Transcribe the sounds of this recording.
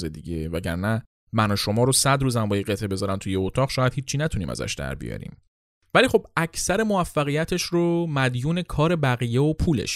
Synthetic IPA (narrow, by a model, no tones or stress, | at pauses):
zed̪iɟevæɟæ̰ɾnæ | mænɒʃo̞mɒːɾosæd̪ɾuːzæmbɒːjeɣe̞t̪ʰʔebe̞zɒɾænt̪ʰujeot̪ʰɒːʁʃɒːjæd̪̥hiːt͡ʃʰːiːnæt̪ʰuniːmæ̰zæ̰ʃd̪̥æ̰ɾbḭjɒ̰ːɾḭːm | væliːxo̞b̚æcʰsæɾemo̞væfːæɣijæt̪ʰe̞ʃɾomæd̪juːne̞kʰɒːɾe̞bæɣijeopʰuːlḛʃ